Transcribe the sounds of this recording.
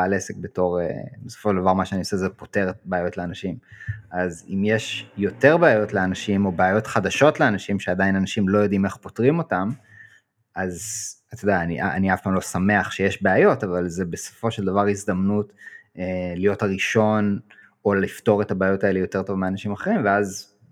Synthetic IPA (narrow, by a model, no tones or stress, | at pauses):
aalesek̚be̞to̞ʁḛbeso̥foʃeld̪avaʁmaʃeaniosezepo̞te̞ʁet̚beajo̞tleanaʃimʔazḭmjeʃjo̞te̞ʁbeajo̞tleanaʃimo̞beajo̞tχadaʃo̞tleanaʃimʃeadainanaʃimlo̞jo̞d̪ime̞χpo̞tʁimo̞tam | ʔazat̪odaːniʔaaniafpaːmlo̞same̞aχʃejeʃbeajo̞tavalzebeso̥fo̞ʃeld̪avaʁizd̪amnut | elijo̞thaʁiʃo̞n | o̞lifto̞ʁetabeajo̞tae̞lejo̞te̞ʁto̞vmeanaʃimaχe̞ʁimveaz